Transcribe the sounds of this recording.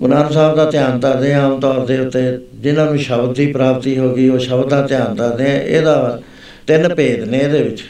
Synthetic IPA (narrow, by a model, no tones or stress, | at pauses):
ɡʊnaːnsaːbd̪aːt̪jaːnt̪aɾd̪ẽːaːmt̪ɔːɾd̪eːʊt̪ːeːd͡ʒɪnãːnũːʃəbd̪d̪iːpɾaːbt̪iːɦoːɡiːoːʃəbd̪d̪aːt̪ɪjaːnt̪aːɾd̪eːɛ̃ːʔḛːd̪aː | t̪ɪnpeːd̪nẽːd̪eːbɪt͡ʃ